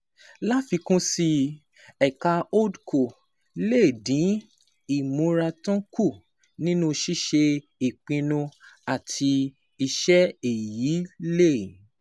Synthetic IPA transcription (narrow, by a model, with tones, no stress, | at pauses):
la˦fi˧kũ˦si˧ | ɛ˨ka˧o˦dko˨ | le˦˨dĩ˨˦ | i˨mũ˨˦ɾa˧tɔ̃˦ku˦˨ | nĩ˦nũ˦˧ʃi˦ʃe˧ | i˨k͡pĩ˧nũ˧a˨tʰi˧ | i˧ʃɛ˦e˨ji˨˦le˦˨